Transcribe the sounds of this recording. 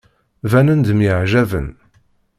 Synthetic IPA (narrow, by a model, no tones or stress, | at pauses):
vænənd̪mjəʕʒævə̰n